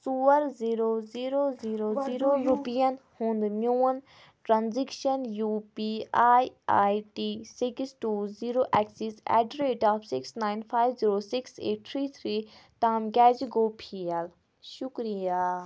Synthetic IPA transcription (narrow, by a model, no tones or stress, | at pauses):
suːəɾziɾoːziːɾoːziːɾoziːɾoɾupijənhũnd̪mjuːən | ʈɾãnzikʃənjuːpiaːjaːjʈisiksʈuːziːɾoːʔɛksisɛ̰ːɖɾeːʈaːpʰsiksnaːjnpʰaːjʋziːɾoːsiksḛːʈ̚t̪ʰɾiːt̪ʰɾiːt̪aːmɡɛːd͡ʒɡoːpʰiɛl | ʃukɾijaː